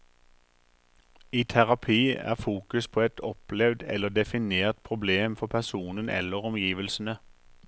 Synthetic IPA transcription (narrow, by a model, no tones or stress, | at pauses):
iːt̪ʰæʁɑpʰiːæ̰ːʁfuːkʉspʰoːɛt̪ʰɔplɛʋd̪ɛ̰lːəd̪ɛfɪneːʁt̪̚pʰʁʊbleːmfɔpʰæʁsuːnənɛ̰lːəʁɔmjiːʋəlsn̩ə